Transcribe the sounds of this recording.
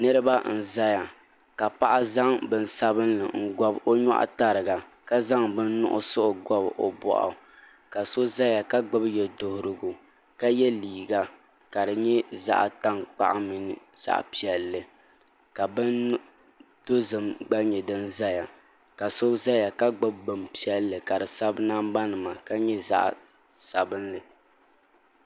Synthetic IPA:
nɨ˦ɾɨ˦ba˦n̩˦˨za˦ja˨ | ka˨pa˦ʔa˦za˦ŋbɨ˦n̩˦sa˦bɨ˦nlɨ̰˨ŋ̩˦ɡɔ˦bo˦ɲɔ̰˦ʔa̰˦ta˨ɾɨ˨ɡa˨ | ka˦za˦ŋbɨ˦n̩nʊ̰˦ʔʊ̰˦sʊ˦ʔɡɔ˦bo̰˨bɔ̰˨ʔa̰˨ | ka˨so˦za˦ja˨ka˦ɡ͡bɔ˦bjɛ˨dʊ˦hʊ˦ɾɨ˨ɡʊ˨ | ka˦jɛ˦liː˨ɡa˦ | ka˨dɨ˨ɲɛ˦za̰˦ʔta˦ŋk͡pa̰˦ʔa˦mi˨nɨ˦ | z̥a̰˦˨ʔpi˦ɛ˦lːɨ˨ | ka˨bɨ˦n˦ | do˦zɨ˨mɡ͡ba˦ɲɛ˨dɨ˦nza˦ja˨ | ka˨so˦za˦ja˨ka˦ɡ͡bʊ˦bːɨ˨mpi˦ɛ˦lːɨ˨ka˨dɨ˨sa˦bna˦mba˦nɨ˨ma˨ka˦ɲɛ˦za̰˦ʔ | sa˨bɨ˦nlɨ˨

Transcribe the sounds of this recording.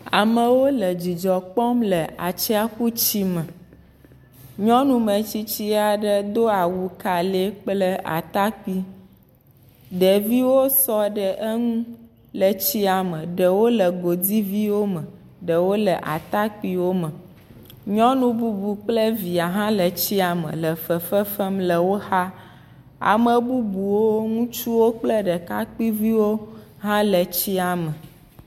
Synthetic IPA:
a̰˨mə̃˨wo˦lə˨d͡ʑi˨d͡ʒɔ˨k͡pɔ˦mlə˨ʔa̰˨t͡ʃɛ˦a˦ɸu˦t͡ɕi˦mə̃˨ | ɲɔ̃˦nũ˦mə̃˨t͡ɕi˦t͡ɕi˦a˨ɖə˦d̪o˦a˨wu˨ka˨le˦k͡plə˦ʔa̰˨t̪a˦k͡pi˦ | ɖə˨vi˦wo˦sɔ˦ɖə˨ʔə˦ŋũ˦ | lə˨t͡ɕi˦a˨mə̃˨ɖə˨wo˦lə˨ɡo˨di˦vi˦wo˦mə̃˨ | ɖə˨wo˦lɛ˨ʔa̰˨t̪a˦k͡pi˦wo˦mə˨ | ɲɔ̃˦nũ˦bu˦bu˨k͡plə˦vi˨a˨ɦã˦lə˨t͡ɕi˦a˨mə̰̃˨lə˨fə˨fɛ˦fɛ˦mlə˨wo˦ha˦ | a̰˨mə̃˨bu˦bu˨wo˦ŋũ˦t͡ʃu˦wo˦k͡plɛ˦ɖɛ˨ka˦k͡pi˦vi˦wo˦ɦã˦lə˨t͡ɕi˦a˨mə˨

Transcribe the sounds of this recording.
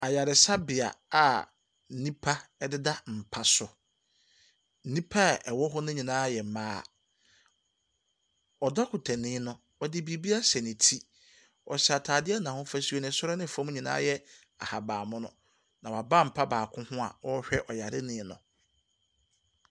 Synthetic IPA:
a˨ja˨ɾɪ˨sa˦bɪ˨a̰˨a˨ | n̩˨nĩ˦pʰa˦ɛ˦dɪ˦da˦m̩˨pʰa˦sʊ˨ | n̩˦nĩ˦pʰa˦ɛ˨wɔ˦ɦʊ˦nʊ̃˦ɲĩ˨nãː˦jɛ˨mãː˦˨ | ɔ˨dɔ˦kʰʊ˨tʰa˨nɪ̃˦nʊ̃˦ | ɔ˨dɪ˦bi˨˦bi˦a˦sɛ˨nɪ̃˨tʰi˦ | ɔ̰˨ɕɛ˨a˨tʰaː˨dɪ˦ɛ˦nã˨hʊ̃˦fæ˦su˦ɛ˨nɪ̃˨sʊ˦ɾɛ˦nɪ̃˦˨fɔ̃˦m˦ɲĩ˨nã̰ː˦jɛ˦ | a̰˨ha˨baː˨mʊ̃˦nʊ̰̃˨ | nã˨wa˨ba˦˨m̩˨pʰa˦baː˨kʰʊ̃˦hʊ̃˦a̰˨ɔ˦ɕᶣɛ˦ʔɔ˨ja˨ɾɪ˦nɪ̃˦nʊ̰̃˨

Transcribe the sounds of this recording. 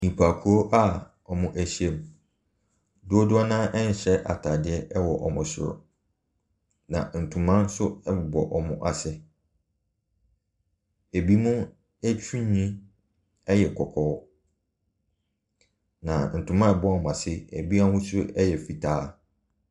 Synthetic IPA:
ɲĩ˨pʰa˨kʰu˨o˦ʔa˦ | ɔ˨mʊ̃˦ʔæ˨ɕi˦ɛ˦˨m˨ | dʊ˦o˦dʊ˦a˦nãː˦ʔɛ˦n̩˨ɕɛ˦ʔa̰˨tʰa˨dɪ˦ɛ˦ɛ˦wɔ˨ʔɔ˨mʊ̃˨sʊ̰˨ɾʊ̰˨ | nã̰˨n̩˨tʰũ˨mã˦n˦sʊ˦ɛ˦bʊ˨bɔ˨ʔɔ˨mʊ̃˨ʔa˨sɪ˦ | e˨bi˦mũ˦ | æ˦t͡ɕʰᶣũ˦ɲĩ˦ | ɛ˦jɛ˨kʰɔ˨kʰɔː˨˦ | nã˨n̩˨tʰũ˨mã˦ɛ˨bɔ˦a˨m̃˨a˨sɪ˦ḛ˨bi˦a˦hʊ̃˦sʊ˦ɛ˦jɛ˨fi˨tʰaː˦˨

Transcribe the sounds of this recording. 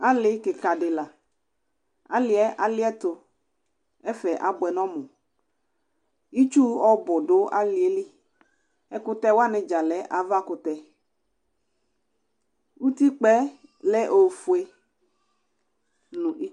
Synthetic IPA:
a˦lɪ˦ke˨ka˨ɖɪ˨la˨ | a̰˦lɪ˨ɛ˦ʔa˨lɪ˦ɛ˦t̪o˨ | ɛ˦fɛ˨ʔa˨bʊ˨ɛ˨nɔ̃˦mʊ̃˨ | i˦t͡ʃu˦ɔ˦bɔ˨ɖo˨˦a˦li˨e˦li˦ | ɛ˦kʊ˦t̪ɛ˦wa˦nɪ̃˨d͡ʒa˨lɛ˨˦ʔa˨va˦kʊ˦t̪ɛ˦ | u˦t̪i˦k͡pɛ˦lɛ˦ʔo˨fu˨e˦ | nũ˨i˦

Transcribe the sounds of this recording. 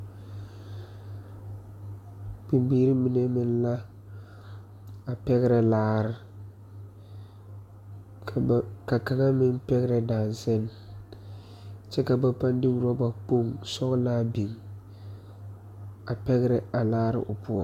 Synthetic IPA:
k͡pi˨mbiː˨˦ɾi˦mi˨ne˦mɪ˨n˦la˦ | a˨pɛ˦ɣɪ˦ɾɪ˨laː˦ɾɪ˨ | ka˨ka˨ŋa˦mɪ˦ŋpɛ˦ɣɪ˦ɾɛ˨daː˨nsɛ˦n | t͡ʃɛ˦ka˨ba˨pa˦n˦dɪ˦wu˨ɾa˦ba˨k͡po˦ŋsɔ˦ɣla˦bi˨ŋ | a˨pɛ˦ɣɪ˦ɾɪ˦a˨laː˦ɾɪ̰˦ʔʊ˨pʊ˦ɔ˨

